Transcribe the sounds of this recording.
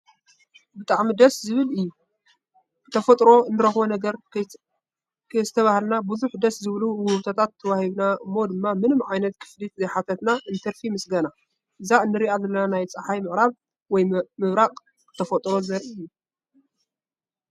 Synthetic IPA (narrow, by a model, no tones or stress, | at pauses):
bɨt̪ʼaʕmid̪ɐszɨβɨlɨjːu | t̪ʰɐfɐt̪ʼɾo̞ɨnːɨɾɐxβonɐɡɐɾ | kzɨt̪ʰɐβahlnabuzuħd̪ɐszɨβluwʊhɨβt̪ʰot̪ʰat̪ʰːɐwahiβnaɨmːo̞d̪ɨmːamɨnɨmʕajnɐt̪kʰɨ̥flit̪zɐjħat̪ʰɐt̪naʔɨnt̪ʰɐɾfimɨsɡɐna | ʔɨzaɨnːɨɾiazɐlːɐnanajt͡sʼɐħajmɨʔʼɾaβ | wɔjmɨβɾaqʼ | kʰɨ̥t̪ʰɐfɐt̪ʼɾozɐɾʔiɨjːu